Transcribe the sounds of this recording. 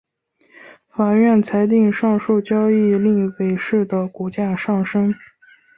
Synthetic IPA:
fa˨˩ɥɛ˥˩nt͡sʰa˧˥ɪt̪̬i˥˧ŋʂɑ˥˧ŋʂu˥˩t͡ɕjɑ˥ʊi˥˩li˥˩ŋwe˨˩ɪʂɻ̩˥˩d̪ə˩kɔ˧˥t͡ɕja˥˧ʂɑ˥˩ŋʂɤ˥ŋ

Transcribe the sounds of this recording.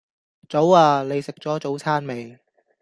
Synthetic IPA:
t͡so˨˥waː˧le˨˧jsɪ˨k̚t͡sɔː˨˥t͡so˨˥wt͡sʰaː˥nme˨j

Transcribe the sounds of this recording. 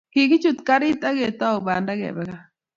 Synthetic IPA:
ki˨kɪ˦t͡ʃu˦t̪ka˦ɾɪ˦t̪a˦ɡe˨t̪a˦o˨ba˨nda˦ɡɛ̰˨bɛ˦ka˦

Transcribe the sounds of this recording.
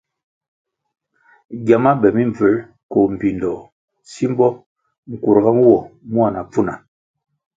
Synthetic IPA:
ɡja˨ma˦bɛ˨mi˦ɱ˨və˨˦l | ko˨m̩˨pi˨ndɔ˨ | si˦m˦bɔ˦ | ŋ̩˨ku˨ɾɡa˦m˦wɔ˨mu˦a˨na˨p͡fu˦na˨

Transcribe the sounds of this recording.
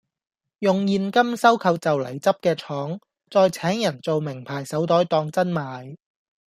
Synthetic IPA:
jʊ˨ŋjiː˧nkɐ˥msɐ˥wkʰɐ˨˧wt͡sɐ˨wlɐ̰˨˩jt͡sɐ˥p̚kɛː˧t͡sʰɔː˨˥ŋ | t͡sɔː˨˧jt͡sʰɛː˨˥ŋjɐ˨˩nt͡so˨wmɪ˨˩ŋpʰaː˨˩jsɐ˨˥wt̪ɔː˨˥jt̪ɔː˧ŋt͡sɐ˥nmaː˨˧j

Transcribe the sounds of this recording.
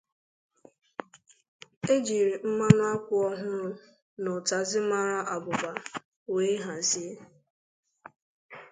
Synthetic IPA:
e˦d͡ʒi˨ɾi˨m̩˦ma˦nʊ˦a˦kʷʊ˦ɔ˦ɦʊ˦ɾʊ˦ | nɔ˨ta˨zɪ˦ma˦ɾa˦ʔa˨bʊ˨ba˨ | we˦i˦ɦa˨n̩˨si˦e˦

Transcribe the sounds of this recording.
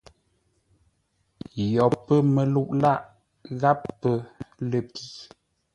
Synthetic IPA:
jɔ˨pːə˦mə˨lu˦˨ʔla˦ʔ | ɣa˦pːə˦lə˨pi˨

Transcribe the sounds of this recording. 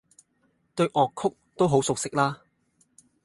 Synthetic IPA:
t̪ɵ˧ɥʔɔː˨kʰːʊ˥k̚t̪o˥wɦo˨˥wsʊ˨k̚sɪ˥k̚laː˥

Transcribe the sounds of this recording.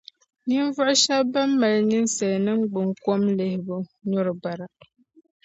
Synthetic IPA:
ni˦n˦vʊ˦ʔʊ˦ʃa˦ba˦mː˦a˨lni˦n̩˦sa˨lnɨ˦ŋ͡m̩˦ɡ͡bɨ˨ŋ˨ko˦mle˨hɪ˨bɨ˨ɲɔ˦ɾɨ˨ba˨ɾa˨

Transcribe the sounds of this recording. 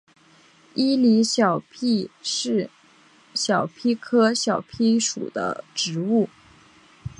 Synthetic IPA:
i˥li˧˥ɕjɑ˨˩ʊpʰi˥˧˥ | ɕjɑ˨˩ʊpʰi˥kʰɤ˥ɕjɑ˨˩ʊpʰi˥ʂṵ˨˩d̪ə̰˦ʈ͡ʂɻ̩˧˥u˥˩

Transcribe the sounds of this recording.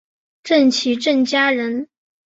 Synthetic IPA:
ʈ͡ʂə˥˩nt͡ɕʰi˧˥ʈ͡ʂə˥˩nt͡ɕja˥ɻə˧˥n

